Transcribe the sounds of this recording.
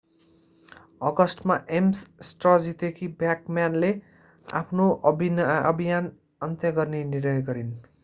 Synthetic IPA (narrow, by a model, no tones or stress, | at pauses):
ʌɡʌsʈmaʔemssʈrʌd͡zit̪ekʰibjakmjanle | a̰pʰnoʌbʱinʌ̰bʱijan | ʌnt̪jʌɡʌrnenirnʌjɡʌɾin